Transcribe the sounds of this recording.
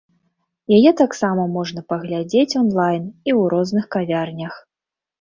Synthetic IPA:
jajɛt̪aksamɐmɔʐn̪ɐpɐɣlʲad͡zʲet͡sʲɔnlˠajniwɾɔznɨxkavʲarnʲɐx

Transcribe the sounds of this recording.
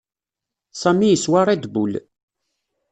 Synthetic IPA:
samːijəswaɾˤæd̪bul

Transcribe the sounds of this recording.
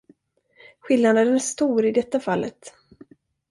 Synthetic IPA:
ɧɪlnand̪əd̪ənæʂt̪uːɾɪd̪ɛt̪ːafalːʔə̰t̪

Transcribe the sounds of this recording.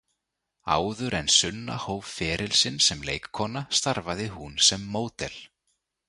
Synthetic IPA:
a̰ːwðʏɾɛnsʏnːa̰hoːwvfɛːɾɪlsɪnsɛmlḛːjkkʰːɔːnast̪aɾvaðɪhunsɛmːoːwt̪ɛl̥

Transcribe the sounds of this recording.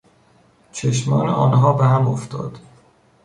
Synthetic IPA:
t͡ʃʰeʃmɒːnḛʔɒːnɦɒːbeɦæmoft̪ʰɒ̰ːd̪̥

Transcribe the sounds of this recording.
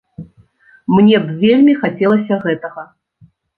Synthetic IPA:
mnʲɛbvʲelʲmʲixat͡sʲɛlˠɐsʲɐɣɛt̪ɐɣɐ

